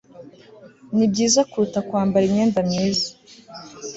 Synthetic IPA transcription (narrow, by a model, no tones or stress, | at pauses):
nib̚ɟiːzakuɾutakwaːmbaɾimɲeːndamɲiːzḁ